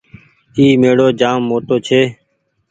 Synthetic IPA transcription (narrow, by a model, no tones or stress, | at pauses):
iːmeːɽoːd͡ʒaːmːoːtoːt͡ʃʰeː